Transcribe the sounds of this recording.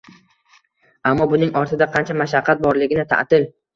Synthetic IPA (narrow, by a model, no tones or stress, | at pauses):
amːɒbʊnɪŋɒɾt̪ʰɪd̪aqʰɑnt͡ʃʰamaʃ̬aqʰːɑt̪̚bɒɾlɪɡʲɪnɪt̪ʰa̰ʔt̪ɪl